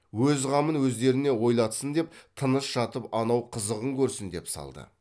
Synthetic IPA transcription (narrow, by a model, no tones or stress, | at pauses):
wɵzʁɑmənwɵzd̪e̞ɾɪne̞wo̞jlˠɑt̪sənd̪e̞p̚t̪ʰənəsʒɑt̪əpɑnɑwqʰəzəʁəŋkʲʰɵɾsɪnd̪e̞psɑ̰lˠd̪ə̰